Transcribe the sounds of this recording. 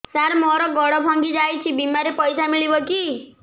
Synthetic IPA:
saɾmɔɾɔɡɔɽɔbʱɔŋɡid͡ʒajt͡ʃʰibimaɾepɔjsamiɭibɔki

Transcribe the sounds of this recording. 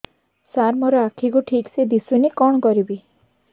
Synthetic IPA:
saɾmɔɾɔakʰikuʈʰiksed̪isunekɔɽ̃ɔkɔɾibi

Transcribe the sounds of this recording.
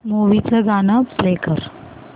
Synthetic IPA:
muːʋit͡səɡaːnapɾeːkəɾ

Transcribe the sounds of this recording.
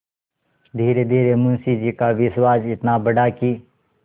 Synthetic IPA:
d̪ʱiːɾed̪ʱiːɾemʊ̃nsid͡ʒikaʋɪʃwaːd͡ʒɪt̪nabəɽakiː

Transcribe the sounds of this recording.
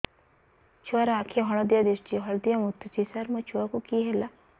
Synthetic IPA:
t͡ʃʰuaɾaakʰijɔɦɔɽ̃ɔd̪jad̪esʈiɦɔɭd̪ijamut̪ʰːt͡ʃʰisaɾmɔt͡ʃʰuakukiɦela

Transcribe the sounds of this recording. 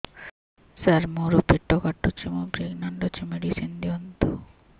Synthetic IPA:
saɾmoɾupiʈːokaʈːut͡ʃimobɾiɡnaɳɖot͡ɕʰemeɖisind̪iont̪o

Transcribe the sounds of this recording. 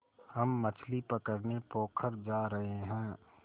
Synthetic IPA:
hɐmːɐt͡ʃʰlipəkəɾnepoːkʰəɾd͡ʒaːɾɐɦeɦɛ̃ː

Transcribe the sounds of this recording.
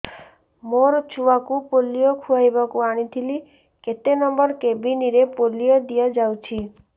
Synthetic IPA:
moɾt͡ʃʰuakupolijɔkʰuajbakuaɽ̃it̪ʰili | ket̪enɔmbɔɾkebiniɾepolijɔd̪ijad͡ʒawt͡ʃʰi

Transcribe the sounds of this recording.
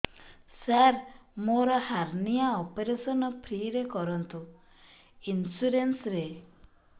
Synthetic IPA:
saɾmoɾɔhaɾniaɔpeɾesɔnɔpʰɾiɾekɔɾɔnt̪u | insuɾensɾe

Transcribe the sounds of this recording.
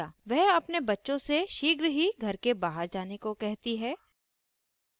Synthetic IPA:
aːʋɛɦɐpnebɐtːʃõseʃiːɡɾɦiɡʱɐɾkebaːɦəɾd͡ʒaːnekokɛɦt̪iɦɛː

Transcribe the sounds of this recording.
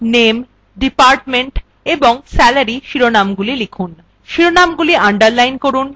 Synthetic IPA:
nem | ɖipaɾʈmeɳʈ | eboŋsɛlaɾiʃiɾonamɡulilikʰun | ʃiɾonamɡuliaɳɖaɾlajnkoɾun

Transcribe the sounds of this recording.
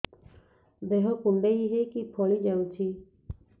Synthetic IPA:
b̪eɦɔkuɳɖeiɦekipʰɔɭid͡ʒaut͡ʃʰi

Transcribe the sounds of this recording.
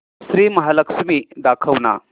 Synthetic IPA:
sɾimɐɦalɐksmid̪akʰɐwna̰

